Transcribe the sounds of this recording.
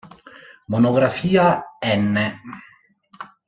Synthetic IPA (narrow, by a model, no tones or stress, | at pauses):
monoɡɾafiːaɛnːe